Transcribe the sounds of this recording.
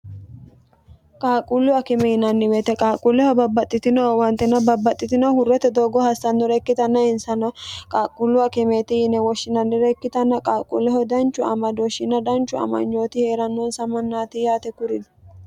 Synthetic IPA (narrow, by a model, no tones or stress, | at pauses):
kʼaːkʼulːʊwɐkɪmɛjɪnɐnːɪweːt̪ɛkʼaːkʼulːɛhɔbɐbːɐt̪ʼːɪt̪ɪnɐwwɐnt̪ːɪnɐbɐbːɐt̪ʼːɪt̪ɪnɐhʊɾɛt̪ɛd̪oːɡɔhɐsɐnːɔɾɛkːɪt̪ɐnːɐɪnsɐnɐkʼaːkʼːʊlːʊwɐkɪmeːt̪ɪjɪnɛwɔʃːɪnɐnːɪɾɛkːɪt̪ɐnːɐkʼaːkʼṵlːɛhɔd̪ɐnt͡ʃʼːʊɐ̰mɐd̪oʃɪnɐd̪ɐnt͡ʃːʊɐ̰mɐ̰nd͡ʒo̞ːt̪ɪhe̞ːɾɐnːɔnsɐmɐnːaːt̪ɪjaːt̪ɛkʊɾɪn